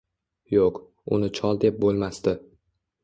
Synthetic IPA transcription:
joq | ʊ̰nɪt͡ʃʰɒlˠd̪e̞p̚bolˠmast̪ɪ

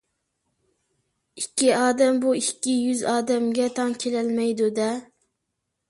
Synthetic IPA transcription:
ikʲːiɑːd̪ɛmbuikʲːijyzɑːd̪ɛmɡʲɛt̪ʰɑŋkʲʰelɛlmɛjd̪ud̪ɛ

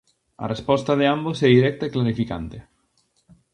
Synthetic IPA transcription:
ɐ̰respɔst̪aðɪambosɛðiɾɛk̚t̪aeklaɾifika̰nt̪ɪ

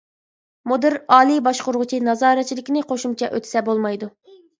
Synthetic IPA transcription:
mud̪ɨɾɑːlˠɨbɑʃqʊɾʁʊt͡ʃʰinɑzɑːɾɛt͡ʃʰilɪkʲinɪqʰoʃumt͡ʃʰɛʔøt̪ʰɪ̥sɛbolˠmɑjd̪u

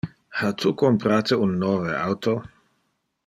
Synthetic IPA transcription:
hat̪ʰukompɾaːt̪eunːoːvea̰wt̪o

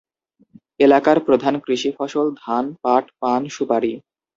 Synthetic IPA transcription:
elakaɾpɾod̪ʱankɾiʃifɔʃold̪ʱanpaʈpanʃupaɾi

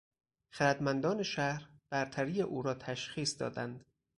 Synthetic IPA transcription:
xæɾæd̪mænd̪ɒːne̞ʃæhɾb̥æɾt̪ʰæɾiːjeʔuːɾɒːt̪ʰæʃxiːsd̪ɒ̰ːd̪ænd̪̥

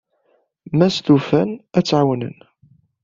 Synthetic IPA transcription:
mæst̪ufænæt͡sːʕawnə̰n

